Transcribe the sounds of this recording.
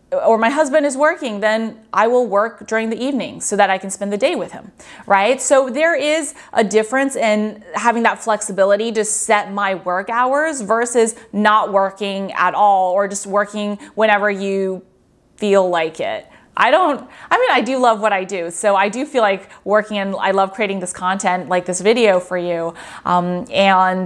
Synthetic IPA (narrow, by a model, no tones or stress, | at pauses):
ə˞maɪɦʌzbɨ̃ndɨzwɜ˞kɪ̃ŋðɨ̃nʔaɪwɪlˠwɜ˞k̚d̥ʊɹɪ̃ŋðiivnɪ̰̃ŋsoʊðɨɾaɪkɨ̃n̩spɛ̃nðɨdeɪwɨð̥ɨ̰̃m | ɹaɪtsoʊðə˞ɪz | ʔədɪfɹɨ̃nsɪ̃nɦævɪ̃ŋðətflɛksɨbɪlˠəɾiɾɨssɛt̚maɪwɜ˞kaʊə˞zvɜ˞sɨznəʔ̚wɜ˞kɪ̃ŋə̰ɾɔlˠə˞d͡ʒʌst̚wɜ˞kɪ̃ŋwɛ̃ɾ̃ɛvə˞jɨ | filˠlaɪkɪ̰t̚ | ʔa̰ɪɾõʊ̃nt̚aɪmĩnaɪdɨlʌvwʌɾaɪdʉsoʊaɪdɨfilaɪkwɜ˞kɪ̃ŋɨ̃na̰ɪlʌv̥kʰɹ̥ieɪɾɪ̃ŋðɪskʰɑ̃ntʰɛ̃ntlaɪk̚ðɪsvɪɾioʊfə˞jʉʔʌ̃mɨ̃n